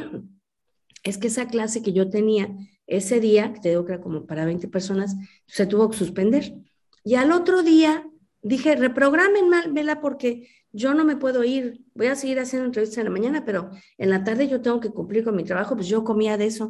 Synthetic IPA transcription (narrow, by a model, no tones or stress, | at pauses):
e̞skeesaklase̞ke̞ʝo̞t̪e̞nia | e̞se̞ðiaket̪e̞ðiɣo̞keeɾako̞mo̞paɾaβe̞jnt̪e̞pe̞ɾso̞nas | se̞t̪uβo̞ke̞̥suspe̞nd̪e̞ɾ | ialo̞t̪ɾo̞ðia | d̪ixe̞re̞pɾo̞ɣɾame̞nmalbe̞lapo̞ɾke̞ | ʝo̞no̞me̞pwe̞ðo̞iɾbo̞jaseɣiɾas̬jendont̪ɾe̞βist̪aðelamãɲanape̞ɾo̞e̞nlat̪aɾðe̞ʝo̞t̪e̞ŋɡo̞ke̞kumpliɾko̞nmit̪ɾaβaxo̞pwesʝo̞ko̞miaðe̞so̞